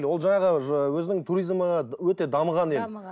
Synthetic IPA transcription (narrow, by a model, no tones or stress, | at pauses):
lwo̞lˠʒɑɴɑʁəwɵzɪnɪŋt̪ʰuɾijzməʁɑwɵt̪e̞d̪ɑməʁɑnel